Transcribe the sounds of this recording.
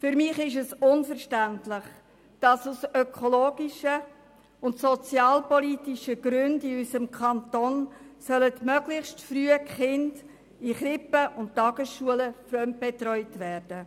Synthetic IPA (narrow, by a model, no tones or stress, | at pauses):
fʏɾmɪχɪʃɛsʊnfəɾʃtæntlɪχ | d̥ɑsusœkʰɔloːɡ̥iʃə | ʊntsɔt͡sjɑːlpɔliːtiʃəɡ̥ɾʏndiysəmkʰɑntoːnsœlətmœɡlɪχstfryːəkχɪnd | iχɾɪpəʔʊnttɑɡ̥əsʃuələfɾœm̚b̥ɛtrɔʏtʋæːrd̥ə